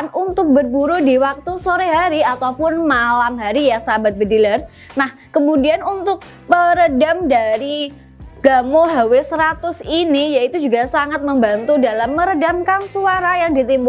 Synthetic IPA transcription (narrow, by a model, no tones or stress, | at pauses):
nunt̪ʊk̚bərbuɾudiwak̚t̪usoɾeɦaɾiat̪awpʊnmalamɦaɾijasabat̪̚bədilar | nah | kəmudianunt̪ʊk̚ | pəɾədamdaɾi | ɡ̥amoɦawesəɾat̪ʊsinijait̪ud͡ʒuɡasaŋat̪̚məmbant̪udalamːəɾədamkansuaɾajaŋdit̪imbu